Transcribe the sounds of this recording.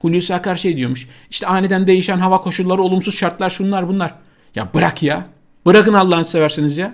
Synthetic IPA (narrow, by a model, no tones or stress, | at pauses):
hulʲusakæɾʃejd̪ijo̞muʃ | iʃt̪ʰɛajned̪ænd̪e̞jiʃænɦavakʰo̞ʃulˠːaɾɯo̞lˠumsuz̥ʃaɾt̪lˠaɾʃunlˠaɾbunlˠaɾ | ja̰bɯɾakja | bɯɾakɯnalˠːanɯsevæɾsinizja